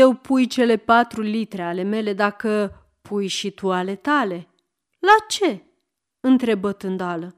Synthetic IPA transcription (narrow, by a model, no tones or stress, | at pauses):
ewpʰujt͡ʃe̞le̞pat̪ɾulit̪ɾe̞ale̞me̞le̞d̪akə | pʰujʃit̪uale̞t̪ale̞ | lat͡ʃe̞ | ɨnt̪ɾe̞bət̪ɨnd̪oalə